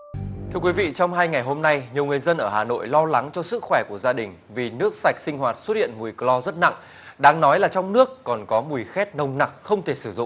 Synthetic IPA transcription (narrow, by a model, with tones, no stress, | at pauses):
t̪ʰɨ˧əkwi˨˦vḭ˧˨t͡ɕɔ˧wŋ͡mɦaː˧jŋa˨˩jɦo˧mna˧jɲi˨˩əwŋɨ˨˩əjzə˧nʔəː˧˩haː˨˩no̰˧˨jlɔ˧la˨˦ŋt͡ɕɔ˧sɨ˦˥k̚xwɛ˧˩ku˧˩əzaː˧ɗï˨˩ŋ̟vi˨˩nɨ˦˥ək̚sa˨˩jk̟̚sï˧ŋ̟hɦwaː˨˩t̚swt̚hḭ˧˨ənmu˨˩əjklɔ˧zə˦˥t̚na̰˧˨ŋʔ | ɗaː˧ŋnɔ˨˦jlaː˨˩t͡ɕɔ˧wŋ͡mnɨ˦˥əkːɔ˨˩nkɔ˨˦mu˨˩jxɛ˦˥t̚nə˧˩wŋ͡mna˨˩k̚xə˧wŋ͡mt̪ʰe˧˩sɨ˧˩zʊ̰˧˨ŋ͡m